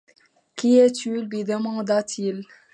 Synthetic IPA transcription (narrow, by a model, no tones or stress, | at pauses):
kiɛt̪ylwid̪əmɑ̃d̪at̪ʰil